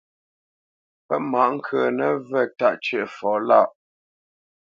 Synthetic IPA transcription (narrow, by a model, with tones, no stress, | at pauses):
pɛ˦ʔma˨˦ʔŋ̩˦kʰə˨nə˦vɛ˦˨ta˦˨ʔt͡ʃə˦˨fɔː˨˦la˦˨ʔ